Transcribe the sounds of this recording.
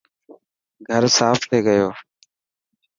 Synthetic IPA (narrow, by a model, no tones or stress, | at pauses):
ɡʱəɾsaːfʰt̪ʰeːɡəjoː